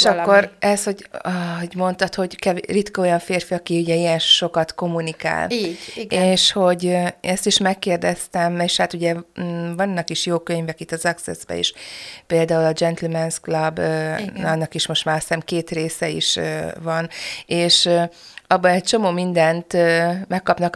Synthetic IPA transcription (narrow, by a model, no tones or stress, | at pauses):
eʃʃɒkːo̞ɾɛsho̞ɟɒɦoɟmo̞nt̪ɒt̪ho̞ɟkɛvrit̪kɒo̞jɒɱfeːrfiɒkiuɟɛijɛnʃo̞kɒt̪ko̞munika̰ːlːɡeːʃho̞ɟɛst̪iʃmɛkːeːrd̪ɛst̪ɛmeːʃhat̪uɟɛvɒnːɒkiʃjoːkøɲvɛkit̪ːɒzɛksɛ̰zbɛ̰ḛʃpeːld̪aːulɒd͡ʒɛnt̪ɛlmɛnsklɒb | ɒnːɒkiʃmo̞ʃt̪maːɾsɛmkeːt̪reːsɛḭʃvɒneːʃ | ɒbːɒɛc̚t͡ʃo̞moːmind̪ɛnt̪ːmɛkːɒpnɒk